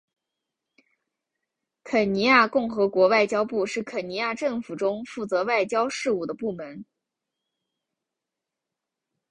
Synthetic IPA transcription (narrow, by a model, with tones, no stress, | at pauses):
kʰə˨˩ni˧˥ja˥˧kʊ˥˩ŋxɤ˧˥kwɔ˧˥wa˥˩ɪt͡ɕjɑ˥ʊpu˥˧ʂɻ̩˥˩kʰə˨˩ni˧˥ja˥˧ʈ͡ʂɤ˥˩ŋfu˨˩ʈ͡ʂʊ˥ŋfu˥˩t͡sɤ˧˥wa˥˩ɪt͡ɕjɑ˥ʊʂɻ̩˥˧u˥˩d̪ə˩pu˥˩mə˧˥n